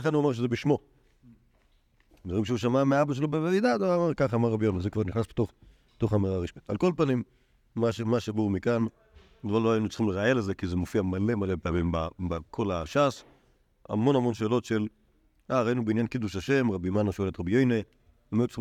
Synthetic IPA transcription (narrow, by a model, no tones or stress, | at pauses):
aχanuamʁʃ̬ezebiʃmo̞ | dvaʁimʃeuʃamameaabaʃ̬elobeveid̪adaʁaamaʁkaχamaʁːabjojnezekvaʁniχnasbe̥toχ | t̪oχameʁaʁiʃbit̪alko̞lpanimː | aʃemaʃbuumikan | dvaloajinut͡sχimleʁaelezekizemofiamalemalepeamimbabakʰolaʃas | a̰mo̞nhamo̞nʃeːlo̞tʃel | aʁainubeinjankid̪uʃaʃe̞mʁabimanaʃoelet̪ʁabjojne | ameut͡si